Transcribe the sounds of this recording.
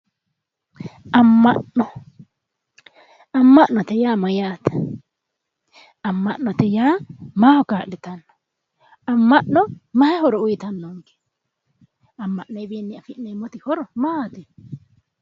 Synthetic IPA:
ɐmːɐnɔ | ɐmːɐʔnːɔt̪ɛjaːmɐjaːt̪ɛ̥ | ɐmːɐʔnːɔt̪ɛjaːmaːhɔkaːʔlɪt̪ɐnːɔ̥ | ɐmːɐʔnɔmɐhɛhɔɾɔʊjɪt̪ɐnːɔŋɡe̥ | ɐmːɐʔnːɔjbiːnːɪɐfɪʔnːejmɔt̪ɪhɔɾɔmaːt̪ɪ

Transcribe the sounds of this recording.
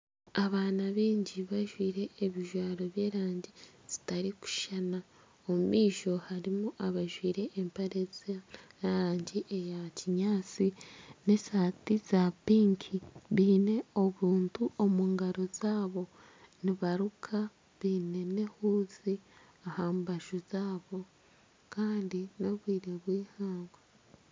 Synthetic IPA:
aβaːnaβiːɲɟiβaʒwiːɾe̞ːβiʒwaːɾo̞βje̞ːɾaːɲɟiz̥i̥taɾiku̥ʃana | omumiːʃo̞haɾimuʔaβaʒwiːɾe̞ʔːmpaɾezajaɾaːɲɟiʔejaciɲaːt͡sine̞saːtiz̥apiːŋkʰiβiːne̞o̞βuːntuo̞muːŋɡaɾo̞z̥aːβo̞ | niβaɾukʰa | βiːne̞ne̞huːzi | ahaːmbaʒuzaːβo̞ | kaːndino̞βwiːɾeβwiːhaːŋɡwa

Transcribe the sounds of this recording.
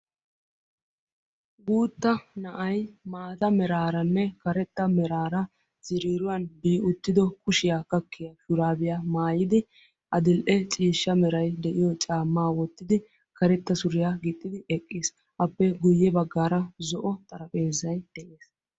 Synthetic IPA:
ɡuːt̪ːɐnɐʔɐjmaːt̪ɐmɛɾaːɾɐnːɛkɐɾɛt̪ːɐmɛɾaːɾɐ | z̥ɪɾiːɾʊwɐnbiːʔʊt̪ːɪd̪ɔkʊʃɪjaːkɐkːɪjɐʃʊɾaːbɪjamaːjɪd̪ɪ | ʔɐd̪ɪlʔɛt͡ʃʼiːʃːɐmɛɾɐjd̪ɛʔɪjɔt͡ʃʼaːmːaːwɔt̪ːɪd̪ɪ | kɐɾɛt̪ːɐsʊɾɪjaɡɪt̪ʼːɪd̪ɪʔɛkʼːɪs | ʔɐpːɛɡʊjːɛbɐɡːaːɾɐzɔʔɔt̪ʼɐɾɐpʼe̞ːzɐjd̪̥ɛʔeːs

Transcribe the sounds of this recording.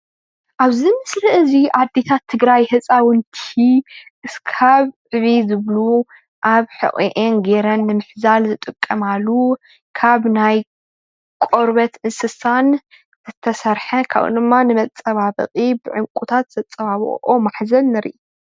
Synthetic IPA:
ʔaβzimɨslɐʔɨziʔad̪ːet̪ʰat̪ʰːɨɡɾajhɨt͡sʼawɨnt̪ʰiʔɨskʰaβʕɨβizɨβlu | ʔaβħɨ̰ʔʼiʔenɡeɾɐnːɨmɨħzalzɨt̪ʼɨkʼːɐmalːu | kʰaβnaj | kʷʼoɾβɐt̪ʔɨnsɨsan | zɨt̪ʰːɐsɐɾħɐkʰa̰βʔɨ̰d̪ɨmːanɨmɐt͡sʼɐβaβɨ̰qʼibɨʕɨmkʼut̪ʰat̪z̥ɐt͡sʼːɐβaβɨ̰omaħzɐnːɨɾḭʔ

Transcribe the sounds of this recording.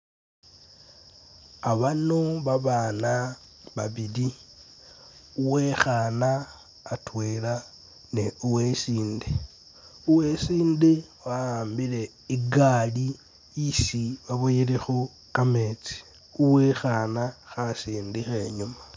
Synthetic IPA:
aβanoβaβaːnaβaβili | uwe̞xaːnaː | twela | neuwesiːnde | uwe̞siːndewaaːmbile̞ | iɡali | isiβaβojilexu | kame̞ːt͡si̥ | uwexanaxasiːndixe̞ɲuma

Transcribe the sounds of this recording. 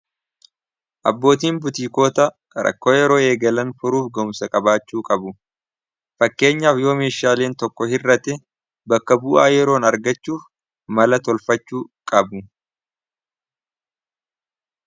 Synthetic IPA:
ʔɐbːo̞ːt̪̬iːnbʊt̪iːko̞ːt̪ɐ | ɾɐ̰kːo̞ːjɛɾo̞ːe̞ːɡɐlɐnfʊɾuːfɡɔmsɐkʼɐbaːt͡ʃːuːkʼɐbʊ | fɐkːe̞ːɲːaːfjo̞ːmeːʃaːle̞ːnt̪ɔkːɔhɪrːɐt̪ɛ | bɐkːɐbʊːʔaːjɛɾo̞ːnɐɾɡɐt͡ʃːuːf | mɐlɐt̪ɔlfɐt͡ʃːuːkʼɐbʊ

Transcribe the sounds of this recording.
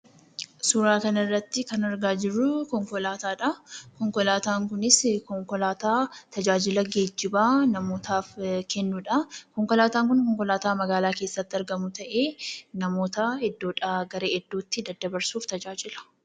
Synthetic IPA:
suːɾaːkɐnɐɪrːɐt̪ːɪkɐnɐɾɡaːd͡ʒɪrːʊkɔŋkɔlaːt̪aːᶑɐkɔŋkɔlaːt̪aːŋkʊnɪskɔŋkɔlaːt̪aːt̪ɐd͡ʒaːd͡ʒɪlɐɡeːd͡ʒːɪbaːnɐmo̞ːt̪ʰaːfkʰɛnːuᶑɐkɔŋkɔlaːt̪aːŋkʊnkɔŋkɔlaːt̪aːmɐɡaːlaːkeːsːɐt̪ːɪɐɾɡɐmʊt̪ɐʔe̞ːnɐmo̞ːt̪ɐhɛd̪ːoːᶑaɡɐɾeːʔɛd̪ːuːt̪ːɪd̪ɐd̪ːɐbɐɾsuːft̪ɐd͡ʒaːd͡ʒɪlɐ̥

